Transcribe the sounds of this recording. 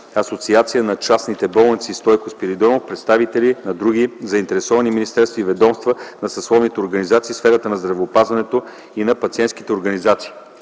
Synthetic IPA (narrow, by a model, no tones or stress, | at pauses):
ɐsot̪siat̪sijənɐt͡ʃasnit̪ɛbɔlˠnit̪sist̪ɔjkospiɾid̪ɔnofpɾɛt̪st̪avit̪ɛlinɐd̪ɾuɡizɐint̪ɛɾɛsɔvɐniminist̪ɛɾst̪vɐivɛd̪ɔmst̪vənɐsɐslˠɔvnit̪ɛoɾɡɐnizat̪siːsfɛɾət̪ənɐzd̪ɾɐvɛopazvɐnɛt̪o | inɐpɐt̪siɛnski̥t̪ɛoɾɡɐnizat̪si̥ː